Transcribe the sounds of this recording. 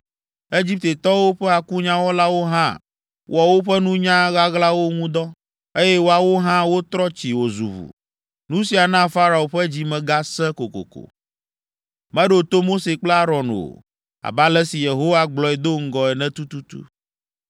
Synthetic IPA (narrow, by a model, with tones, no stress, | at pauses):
e˦d͡ʑi˦p̚t̪e˨t̪ɔ˦wo˦ɸɛ˦a˨ku˦ɲã˦wɔ˦la˦wo˦ɦã̰˦ | wʔo˨a˨wo˦ɸɛ˦nũ˦ɲã˦ɣa˦ɣla˦wo˦ŋũ˦d̪ɔ˦ | e˦jɛ˦wo˦a˨wo˦ɦã˦wo˦t̪ɾɔ˦t͡ɕi˨wo˨zṵ˨βṵ˨ | nũ˦si˨a˨nã˦fa˦ɾa˨o˨ɸɛ˦d͡ʑi˦mɛ̃˨ɡa˦sɛ̃˦ko˨ko̰˨ko̰˨ | mɛ̃˦ɖo˨t̪o˦mo˦se˨k͡plɛ˦a˦ɾɔ˨no̰˨ | a̰˨ba˦lɛ˦si˨je˨ɦo˦wa˦ɡ͡blɔ˨ɛ˨d̪o˦ŋ̩˦ɡɔ˨ɛ˨nɛ̃˦t̪u˦t̪u˦t̪ṵ˦